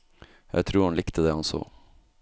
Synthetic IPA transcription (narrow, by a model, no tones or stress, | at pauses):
jæ̰ɪt̪ʰɾuːɾhɑnlɪkt̪ʰəd̪eːɑnso̰ː